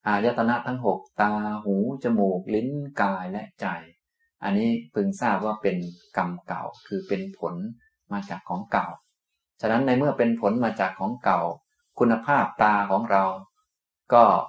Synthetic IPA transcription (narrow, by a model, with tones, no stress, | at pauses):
ʔaː˨˩ja˦˥t̪ʰːa˧na˦˥t̪ʰa˦˥ŋɦo˨˩k̚t̪aː˧huː˩˦t͡ɕa˧moː˨˩k̚li˦˥nkaː˧jlɛ˦˥ʔt͡ɕa˨˩j | ʔa˧nːiː˦˥pʰɯ˧ŋsaː˥˩p̚waː˥˩pe˧nka˧mka̰˨˩wkʰɯː˧pe˧npʰo˩˦n | maː˧t͡ɕaː˨˩kʰːɔː˩˦ŋka˨˩w | t͡ɕʰa˧˩na˦˥nːa˧jmɯ˥˩ɐpe˧npʰo˩˦nmaː˧t͡ɕaː˨˩kʰːɔː˩˦ŋka˨˩w | kʰu˧nːa˧pʰaː˥˩p̚t̪aː˧kʰɔː˩˦ŋɾa˧w | kɔː˥˩